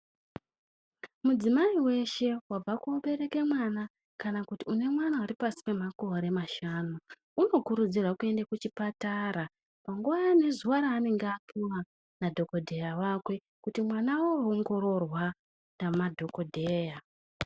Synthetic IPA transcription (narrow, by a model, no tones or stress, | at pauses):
mud͡zimaiwe̞ʃe̞wab͡vakuoɓe̞ɾe̞ke̞mwana | kanakutiune̞mwanauɾipasi̥pe̞mako̞ɾe̞maʃaːnu | uno̞kuɾud͡zirwakue̞ndakut͡ʃipataɾa | paŋɡuʋajane̞zuʋaɾaːne̞ŋɡeapiwa | nadʱo̞ko̞dʱe̞jawakwe̞ | kutimwanawooŋɡo̞ɾo̞rwa | namadʱo̞ko̞dʱe̞ːja